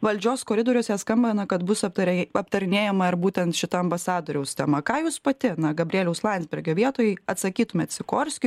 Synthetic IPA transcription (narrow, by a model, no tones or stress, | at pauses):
ʋɐlʲd͡ʒʲoːskoːɾʲɪd̪oːɾʲoːsʲɛskɐmʲbʲɛnɐkɐt̪bʊsɐpt̪ɐɐpt̪ɐɾʲɪnʲeːjɛmɐɪɾbuːt̪ʲɛnt̪ʃʲɪt̪ɐɐmbɐsɑːd̪oːɾʲɛʊst̪ʲɛmɐkɑːjuːspɐt̪ʲɪnɐɡɐbʲrʲeːlʲɛʊslˠɑːnʲzʲbʲɛɾʲɡʲoːʋʲiɛt̪oːjɛɪɐt̪sɐkʲiːt̪ʊmʲeːt̪sʲɪkoːɾʲsʲkʲʊ